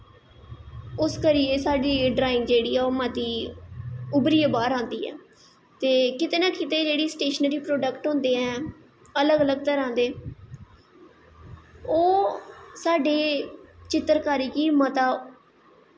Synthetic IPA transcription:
ʊskəɾieːsaːɖiːɖɾaːɪŋɡd͡ʒeːɽiːɛːoːmət̪iː | ʊbɾiːebaːɾãːnd̪ḭːɛ̰ː | t̪eːkɪt̪eːnãːkɪt̪eːd͡ʒeːɽiːsʈeːʃənɾiːpɾoːɖəkʈɦõːnd̪eːɛː | ələɡələɡ̚t̪əɾãːnd̪eː | oːsaːɖeːt͡ʃɪt̪ːəɾkaːɾiːkiːmət̪aː

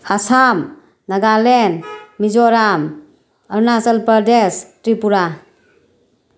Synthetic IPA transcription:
asam | naɡalenmid͡ʒɔɾam | əɾnasəlpəɾdestɾipuɾa

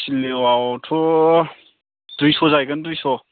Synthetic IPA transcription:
silːewatʰɔ | d̥ujsɔzajɡɯndujsɔ

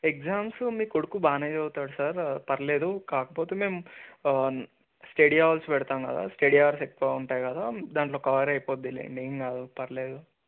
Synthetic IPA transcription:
ek̚d͡ʒaːmsmiːkoɽukubaːnejd͡ʒɐwut̪aːɽusaːɾpɐɾɐle̞ːd̪ukaːkɐpoːt̪eːme̞ːm | sʈeɽijaːʋɐlsʋɛɽt̪aːmkɐ̰d̪a̰ːsʈeɽijaːʋɐɾsek̚kauɳʈaːjkɐd̪aːd̪aːɳʈlo̞ːkɐʋɐɾɐjpoːd̪ilḛːɳɖiŋkaːd̪upɐɾleːd̪u

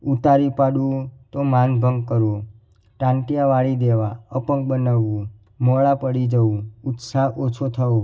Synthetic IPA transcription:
ut̪aɾipaɽũt̪omanbʱəŋɡkəɾo | ʈãɳʈijaʋaɭid̪eʋaəpəŋk̚bənaʋũ | mɔɭapəɽid͡ʒəũʊt̪saɦʔot͡ʃʰot̪ʰəo

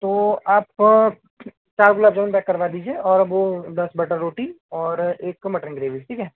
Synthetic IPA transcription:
t̪oːaːp | t͡ʃaːɾkʊlaːbd͡ʒɐʋnpɛkːɐɾʋaːd̪iːd͡ʒieɔːɾɐbʋod̪ɐsbɐʈəɾːoːʈi | ɔːɾeːkmɐʈənɡɾeːʋisʈʰiːkɛɦ

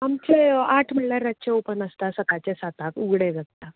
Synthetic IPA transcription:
amt͡ɕeaʈʰməɽlaɾət͡ɕeopənəst̪asət̪at͡ɕesat̪akuɡɽeɡʱək̚t̪a

